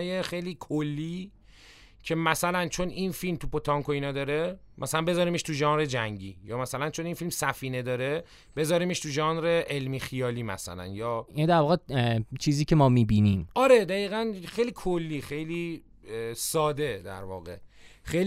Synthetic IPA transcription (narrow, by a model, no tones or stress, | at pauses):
jexe̞jliːkʰolːiː | cʰe̞mæsælænt͡ʃʰo̞ninfilmt̪ʰupʰot̪ʰɒŋkʰoiːnɒːd̪ɒːɾe̞mʔæsælænbe̞zɒːɾiːmeʃt̪ʰuʒɒːnɾed͡ʒæŋɟiːjɒːmæsælænt͡ʃʰoninfilmsæfiːne̞d̪ɒːɾe̞ | b̥e̞zɒːɾimeʃt̪ʰuʒɒːnɾe̞ʔelmiːxijɒːliːmæ̰sæ̰læ̰njɒːind̪æɾvɒːɣet͡ʃʰiːziːcʰemɒːmiːbinimɒɾed̪æiːɣænxejliːkʰolːiːxe̞jliː | sɒːd̪e̞d̪æ̰ɾvɒ̰ːɣe̞̰xej